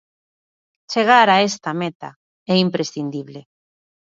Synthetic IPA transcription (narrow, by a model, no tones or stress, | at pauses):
t͡ʃeɣ̞aɾaest̪amet̪a̰ | ɛimpɾʔesθind̪iβle